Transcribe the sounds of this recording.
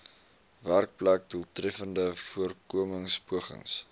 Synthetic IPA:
værk̚plæk̚dulˠtrɛfəndəfuərkuəməŋspuəχə̰ŋs

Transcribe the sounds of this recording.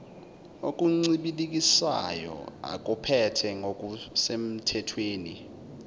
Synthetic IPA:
okʼuŋ͡ǀiɓilik̬ʼisa̰jɔ̰a̰k̬ʼupʰɛtʰɛŋʱokʼusem̩tʰɛtʰweːni

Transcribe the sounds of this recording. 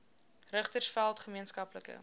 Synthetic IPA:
rəχtərsfælˠtχəmiənskɐpləkə̰

